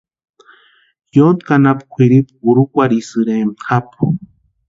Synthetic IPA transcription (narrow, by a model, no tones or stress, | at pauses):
jont̪kanapkʷʰiɾipuɾukʷaɾisɨɾemxapu̥